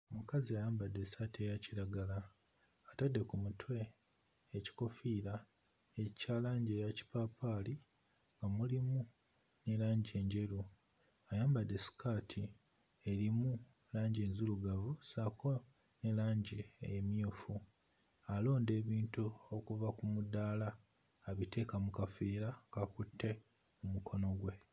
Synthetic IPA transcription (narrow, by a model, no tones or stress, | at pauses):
omukaziajaːmbadːesatie̞jaciɾaɡalaː | tadːe̞kumutʰwe̞ː | ci̥ko̞fiːɾa | ecaːlaːɲɟe̞jaci̥paːpaːli | ŋɡamulimu | nelaːɲɟe̞ːɲɟe̞ɾu | ajaːmbade̞si̥kʰatʰi | eɾimu | laːɲɟe̞ːnzuluɡavusako̞ | nelaːɲɟeḛjemjuːfu | alo̞ːnde̞ːβiːntuo̞kuvakumudaːlaː | βite̞ːkamukafiːɾakakutʰːe̞ | mumukʰo̞no̞ɡwe̞